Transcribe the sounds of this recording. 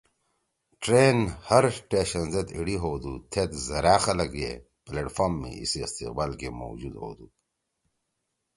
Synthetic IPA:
ʈɾeːnhɐɾʈeːɕɐnzet̪iɽiɦoːd̪ut̪ʰet̪zɐɾaːxɐlɐkḛ | pleːʈfoːɾmːḭ̃ḭsiɐst̪iq̚baːlkemo̰wd͡ʑud̪ho̰ːd̪u

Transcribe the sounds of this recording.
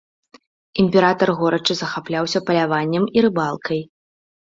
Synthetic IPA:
imʲpʲɛɾat̪ɐrɣɔɾɐt͡ʂɨzɐxaplʲawsʲɐpɐlʲavanʲːɐmiɾɨbalˠkʰɐj

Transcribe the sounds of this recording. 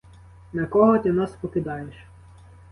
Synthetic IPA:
nɐkɔɦɔt̪ʲɪnɑspɔkɪd̪ɑjeʃ

